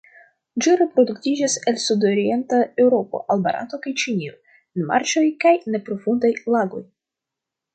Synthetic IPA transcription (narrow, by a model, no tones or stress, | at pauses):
d͡ʒiɾe̞pɾo̞duktid͡ʒase̞lsudo̞ɾie̞ntae̞wɾo̞po̞̰ʔalba̰ɾa̰to̞kajt͡ʃinio̰ | enma̰ɾt͡ʃo̞jkajne̞pɾo̞fundajlaɡo̞j